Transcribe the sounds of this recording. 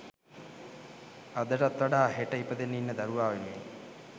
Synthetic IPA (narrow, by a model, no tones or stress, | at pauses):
ad̪əʈət̪ʋɐɖaɦaɦeʈəipəd̪enːəinːəd̪ɐɾuʋaːʋelʋe